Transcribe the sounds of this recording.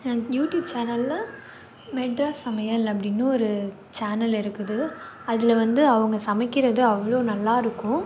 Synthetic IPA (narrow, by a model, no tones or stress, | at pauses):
juːʈjuːb̚t͡ʃaːnɐlːɐ | mɛʈɾasɐmɐjɐlɐpːɐɽɪnːɯɔɾɯ | t͡ʃaːnɐlɪɾɯkːɯðɯɐðɪlɐʋɐnd̪ɯɐʋɐŋɡɐsɐmɐkːɪɾɐðɯɐʋːɐɭoːnɐlːaːɪɾɯkːʊ̃